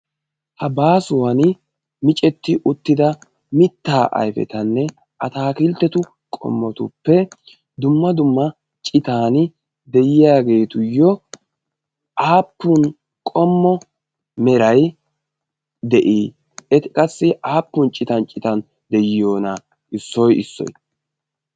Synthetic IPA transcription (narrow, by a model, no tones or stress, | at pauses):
hɐbaːsʊwɐn | mɪt͡ʃʼɛt̪ːɪʔʊt̪ːɪd̪ɐ | mɪt̪ːaːʔɐ̰jfɛ̰t̪ɐnːɛ | ʔɐt̪aːkɪlt̪ːɛt̪ʊ | kʼɔ̰mːɔt̪ʊ̰pːɛ | d̪ʊmːɐd̪ʊmːɐ | t͡ʃʼɪt̪aːn | d̪ɛjɪjaːɡe̞ːt̪ʊjːɔ | ʔaːpːʊn | kʼɔmːɔ | mɛɾɐj | d̪ɛʔiː | ɛt̪ɪkʼɐsːɪʔaːpːʊnt͡ʃʼɪt̪ɐnt͡ʃʼɪt̪ɐn | d̪ɛjɪjo̞ːnɐ | ʔɪsːɔjɪ̰sːɔ̰j